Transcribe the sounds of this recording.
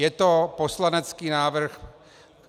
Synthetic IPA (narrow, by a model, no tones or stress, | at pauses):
ɛt̪oposlanɛt͡skiːnaːvr̩x